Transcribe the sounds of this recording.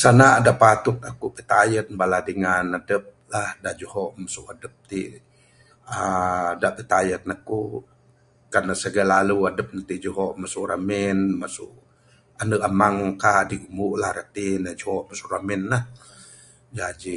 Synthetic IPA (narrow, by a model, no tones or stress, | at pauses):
sanaːdaʔpat̪ʊt̪̚akupit̪ajət̪̚baladəŋanadəp̚lahdaʔd͡ʒuhɔʔmasuʔadəp̚t̪iʔ | ədaʔpət̪ajət̪̚naku | karnasəɡalaluadəp̚nat̪iʔd͡ʒuɦɔʔmasuʔramɛnmasṵʔ | anəʔamaŋkaʔdiɡumuʔlahɾat̪inad͡ʒohɔʔmasuʔramɛnlah | d͡ʒad͡ʒi